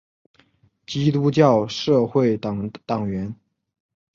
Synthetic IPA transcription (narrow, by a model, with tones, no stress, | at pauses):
t͡ɕi˥t̪u˥t͡ɕjɑ˥˧ʊʂɤ˥˧xwe˥˩ɪt̪ɑ˨˩ŋt̪ɑ˨˩ŋɥɛ˧˥n